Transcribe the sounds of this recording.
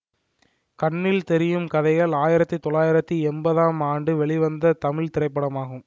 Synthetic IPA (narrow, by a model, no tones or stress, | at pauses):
kɐɳːɪlt̪ɛɾɪjɯmkɐðɐɪɣɐɭaːjɪɾɐt̪ːit̪ɔɭːaːjɪɾɐt̪ːiɛmbɐðaːmaːɳɖɯʋɛɭɪʋɐnd̪ɐt̪ɐmɪɭt̪ɪɾɐɪpːɐɽɐmaːɣɯm